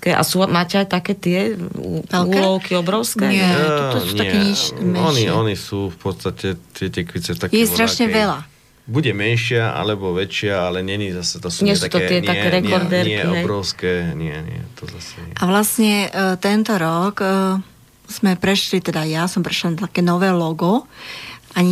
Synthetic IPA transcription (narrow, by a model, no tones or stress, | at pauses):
kɛʔa̰sumaːcɛajt̪akɛːt̪ɪɛʋɛluːlɔʊkiɔbɾɔʊskɛːɛɔt̪ɔsuɲaɛkɛɲiʃmɛɔniɔnisuːfpɔt̪st̪acɛt̪ɪɛt̪ɛkʋit͡sɛt̪akjɛst̪ɾaʃɲɛʋɛla | buɟɛmɛnʃɪaʔa̰lɛbɔʋɛt͡ʃɪaalɛɲɛɲizasɛt̪ɔsuɲɪɛst̪uat̪ɔk̪ɪɛaɛɛɾɛkɔɾd̪ɛɾɪɛkiɔɛbɾɔʊskɛːɲɪɛɲɪɛ̰t̪ɔzasɛɛʔaʋlasɲɛt̪ɛnt̪ɔɾɔk | z̥mɛpɾɛʃlit̪ɛd̪ajasɔmpɾɛʃlanat̪akɛːnɔʋɛːlɔɡɔ | aɲ